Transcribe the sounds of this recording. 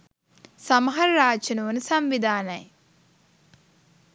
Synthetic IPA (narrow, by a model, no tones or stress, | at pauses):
sɐmɐɦɐɾɾaːt͡ʃɐnuʋənəsɐmʋid̪aːnɐj